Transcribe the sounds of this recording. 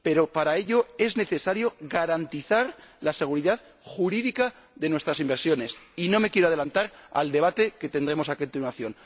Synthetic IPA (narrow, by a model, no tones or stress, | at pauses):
pe̞ɾo̞paɾae̞ʎo̞e̞zne̞θe̞saɾjo̞ɣaɾant̪iθaɾlase̞ɣ̞uɾiðað | xuɾiðika | ðe̞nwe̞st̪ɾasimbeɾsjo̞ne̞sino̞me̞kjeɾoaðe̞lant̪aɾa̰ld̪e̞β̞at̪e̞ke̞t̪end̪ɾe̞mo̞sako̞nt̪inwaθjo̞n